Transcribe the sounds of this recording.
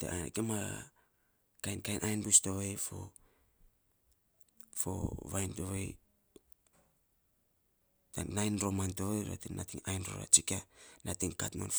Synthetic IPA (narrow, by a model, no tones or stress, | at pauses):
teʔakema | kajnkajnʔajnbusto̞βefo̰ | fo̰βajntoβej | tanajnɾo̞manto̞βejɾa̰tinnatiŋajnɾo̰ɾa̰t͡ʃikanatiŋkatmo̰nf